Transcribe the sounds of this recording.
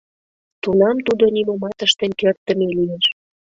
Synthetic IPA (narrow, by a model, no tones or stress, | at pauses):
t̪unɑmt̪ud̪onimomɑt̪əʃt̪ə̆nkørt̪ːə̆melijeʃ